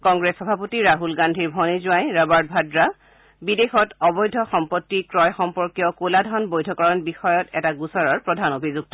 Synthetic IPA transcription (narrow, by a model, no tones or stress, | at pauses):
kɔŋɡɹesxɔbʱapotiɹaɦulɡandʱiɹbʱɔnizʊajɹabaɹd̚bʱadɹa | bidexɔtɔbɔjdʱɔxɔmpɔtːikɹɔjxɔmpɔɹkjɔkoladʱɔnbojdʱɔkɔɹɔnbixɔjɔtɛtaɡusɔɹaɹpɹɔdʱanobʱizuɡ̚tɔ